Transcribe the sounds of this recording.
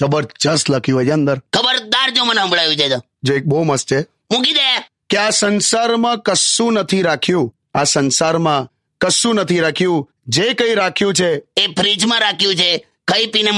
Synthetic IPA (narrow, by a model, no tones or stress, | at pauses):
kəbəɾd͡ʒəst̪ləkʰjũɦəjənd̪əɾkʰəbəɾd̪aɾd͡ʒoməneɦə̃mbɭajũd͡ʒed͡ʒ̪a | d͡ʒoek̚bəɦuməst͡ʃʰe | mũkid̪eja | keasənsaɾmãkəsũnət̪ʰiɾakʰjũ | asənsaɾmã | kəsũnət̪ʰiɾakʰjũ | d͡ʒekə̃iɾakʰjũt͡ʃʰeepʰɾid͡ʒmãɾakʰjũt͡ʃʰe | kʰəipine